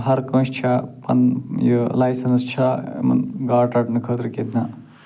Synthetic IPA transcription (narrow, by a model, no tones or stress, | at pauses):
ɦɐɾkɐ̃ːst͡ʃʰɐpɐ̰njolajsɐnst͡ʃʰɐḛmɐ̰nɡaːʈɐʈnɐkʰəːt̪ɾiked̪ʰnɐ